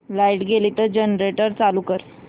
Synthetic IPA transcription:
lajʈɡelit̪əd͡ʑenɾeʈəɾt͡saluːkəɾ

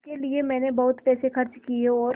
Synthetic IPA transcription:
keliemɛ̃ːnebɐɦʊt̪pɛːsexɐɾt͡ʃkieɔːɾ

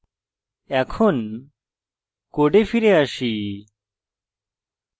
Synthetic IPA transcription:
ɛkʰon | koɖefiɾeaʃi

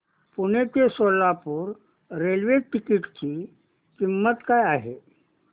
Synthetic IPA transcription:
puñet̪esolːapuːɾ | ɾelʋeʈikiʈt͡ɕi | kimːət̪kajaɦe

